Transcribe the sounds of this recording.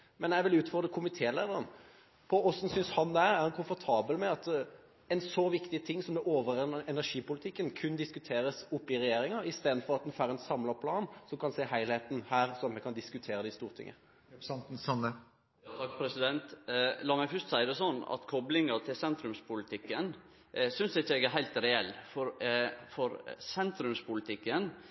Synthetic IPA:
mɛnæɪʋɪlʉːt̪fɔɾʁd̪ɾəkʰʊmɪt̪ʰeːleːd̪əɾən | pʰɔɔsɔnsʏnshɑnd̪æɾæɾhɑnkʰʊmfɔɾt̪ʰɑːbəlmɛɑt̪ | ɛnsɔʋɪkt̪ɪt̪ʰɪŋːsɔmd̪ɛʔoːʋəɾɛnːəɾɛnæʂiːpʊlɪt̪ʰɪkːənkʰʉnd̪ɪskʉt̪ʰeːɾəsʊpːɪɾɛjeːɾɪŋɑɪst̪eːd̪n̩fɔɾɑt̪̚d̪ɛnfæːɾɛnsɑmlɑpʰlɑːnsɔmkʰɑnseːhæɪlheːt̪n̩hæːɾsɔɑt̪mɛkʰɑnd̪ɪskʉt̪ʰeːɾəd̪ɛɪst̪uːʁt̪ʰɪ̰ŋʔə̰ | sɑnə | t̪ʰɑkpʰɾɛsɪd̪ɛnt̪lɑːmæɪfœst̪sæɪd̪ɛsɔnːɑ̰t̪kʰɔblɪŋət̪ʰɪlsɛnt̪ɾʉmspʰʊlɪt̪ʰɪkːən | sʏnsɪçːɛɡæɦæɪlt̪ɾɛɛlːfɔɾfɔɾsɛnt̪ɾʉmspʰʊlɪt̪ʰɪkːən

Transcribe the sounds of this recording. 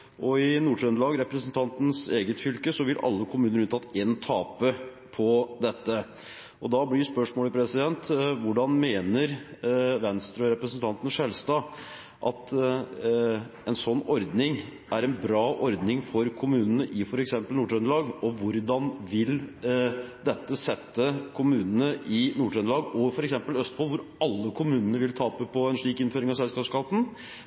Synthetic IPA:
ʔɔɪnuːʈʰɾœnd̪əlɭɑːɡɾɛpɾəsənt̪ʰɑnt̪n̩seːɡət̪fʏlkəsɔʋɪlʔɑ̰lːəkʰʊmʉnəɾʉnt̪ʰɑt̪eːnt̪ʰɑːpə | pʰɔd̪ɛt̪ːə | ʔɔd̪ɑblɪspœʂmoːləpʰɾɛsɪd̪ɛnt̪ʋʊɖɑnmeːnəɾʋɛnst̪ɾɔɾɛpɾəsn̩t̪ʰɑnt̪n̩ʂɛlst̪ɑː | ʔɑ̰t̪ | ɛnsɔnːɔɾd̪nɪŋ | ʔæɾɛnbɾɑːʔɔɾd̪nɪŋfɔɾkʰʊmʉːnənəʔɪfɔɾɛksɛmpəlnuːʈʰɾœnəlɑːɡɔʋʊɾd̪ɑnʋɪl | d̪ɛt̪ːəsɛt̪ːəkʰʊmʉːnənəʔɪnuːʈʰɾœnəlɑːɡɔfɔɾɛksɛmpəlœst̪fɔlʋʊɾɑlːəkʰʊmʉːnənəʋɪlt̪ʰɑːpəpʰɔɛnʂɭiːkɪnføːɾɪŋɑsɛlskɑːpskʰɑt̪ən̩

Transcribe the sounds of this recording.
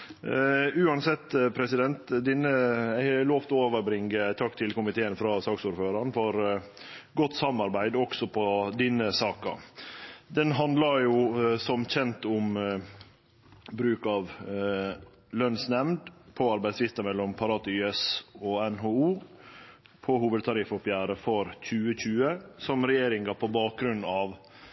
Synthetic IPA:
ʉːɑnsɛt̪ːpʰɾɛsɪd̪ɛnt̪d̪ɪnːəɛloːft̪ɔoːʋəɾbɾɪŋɡət̪ʰɑkːt̪ʰɪlkʊmɪt̪ʰeːənfɾɑːsɑːksuːɾføːɾɑɾnfɔɾ | ɡɔt̪ːsɑmɑɾbæɪd̪ɔksɔpʰɔd̪ɪnːəsɑːkɑ̰ | d̪ɛnɦɑnd̪lɑɾjʊsɔmçɛnt̪ʊm | bɾʉːkɑːʋ | lœnsnɛmd̪pʰɔɑɾbæɪsʋɪst̪ɑmɛlːɔmpʰɑɾɑːt̪yːɛsɔɛnɦoːuː | pʰɔhuːʋəd̪̚t̪ʰɑɾɪfɔpjæːɾəfɔɾc͡çʉːəçʉːəsɔmɾɛjeːɾɪŋɡɑpʰɔbɑːk̚ɡɾʉnɑːʋ

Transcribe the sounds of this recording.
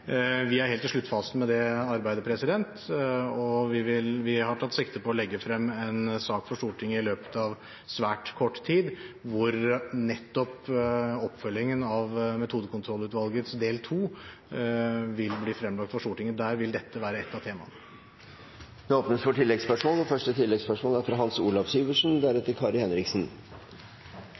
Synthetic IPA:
ʋɪæɾheːlt̪ːɪʂɭʉt̪ːfɑːst̪mɛd̪ɛɑɾbæɪd̪əpʰɾɛsɪd̪ɛnt̪ɔʋɪʋɪlʋɪhɑʈʰɑt̪ːsɪkt̪əpɔɔlɛɡːəfɾɛmːɛnsɑːkfɔʂuːʈʰɪŋəɪløːpə̥t̪ɑʋ | sʋæːʈkʰɔʈːt̪ʰiːd̪ʋʊɾnɛt̪ːɔpɔpːfœlːɪŋənɑʋmɛt̪ʰuːd̪əkʊnt̪ʰɾɔlːʉːt̪ʋɑlɡət̪sd̪eːlt̪ʰuː | ʋɪlbliːfɾɛmlɑkt̪fɑʂʈuːʈɪŋəd̪æːɾʋɪld̪ɛt̪ːəʋæːɾəɛt̪ːɑt̪ʰeːmɑ̰nə | d̪ɛoːpnəsfɔʈɪlːɛɡspœʂmoːləfœʂʈət̪ʰɪlːɛɡspœʂmoːlæɾfɾɑːɦɑnsuːlɑfsyːʋəʂn̩d̪æɾɛt̪əɾkʰɑːɾəhɛnɾɪksn̩

